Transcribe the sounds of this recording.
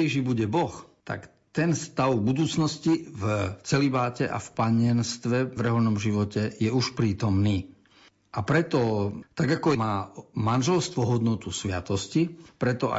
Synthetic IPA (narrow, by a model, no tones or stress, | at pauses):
ɛʒibuɟɛbɔxt̪a̰k | t̪ɛnst̪aʊbud̪uːt͡snɔscivt͡sɛlibaːcɛʔa̰fpaɲɪɛnst̪ʋɛvɾɛɦɔnɔmʒiʋɔcɛjɛuʃpɾiːt̪ɔmniː | ʔapɾɛt̪ɔt̪aɡakɔmaːmanʒɛlst̪ʋɔɦɔd̪nɔt̪usʋɪa̰t̪ɔscipɾɛt̪ɔa̰